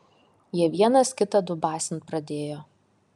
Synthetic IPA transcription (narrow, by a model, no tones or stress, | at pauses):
jiɛʋʲiɛnɐskʲɪt̪ɐd̪ʊbɑːsʲɪnpɾɐd̪ʲeːjoː